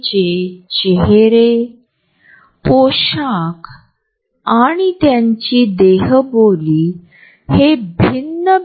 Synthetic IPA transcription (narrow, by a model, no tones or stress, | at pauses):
t͡ɕet͡ɕeɦeɾe | poɕak | aɽ̃it̪jaɲt͡ɕiːd̪eɦboliː | hebʱinːə